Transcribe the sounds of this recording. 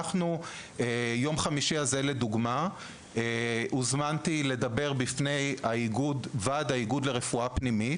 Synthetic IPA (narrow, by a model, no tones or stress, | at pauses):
aχnuejo̞mχamiʃiazele̞duɡma | eʔuzmant̪ile̞d̪abe̞ʁbifne̞jaiɡudvad̪aiɡudleʁe̞fuapnimi